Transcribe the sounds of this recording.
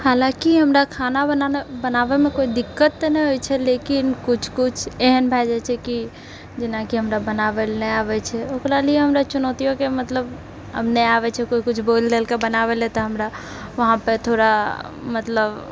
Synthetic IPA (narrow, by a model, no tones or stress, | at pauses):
halãkiɦəmɾakʰanabənabənaʋemẽkoid̪ɪkːət̪ːnɛɦojt͡ʃʰɛlekinkʊt͡ʃʰkʊt͡ʃʰeɦənbʱɛd͡ʒɛt͡ʃʰɛki | d͡ʒɪnakiɦəmɾabənaʋelnɛaʋɛt͡ʃʰɛokɾalieɦəmɾat͡ʃunɔt̪ijõkemət̪ləb | ɦə̰mneaʋɛt͡ʃʰɛkoikʊt͡ʃʰbollelkebənaʋelet̪ɔɦəmɾa | ʋəɦãpət̪ʰoɾa | mət̪ləb